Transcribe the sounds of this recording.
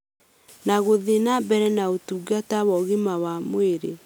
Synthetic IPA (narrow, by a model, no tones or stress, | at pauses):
naɣoðenabɛɾɛnaotuɡatawɔɣemawamweɾe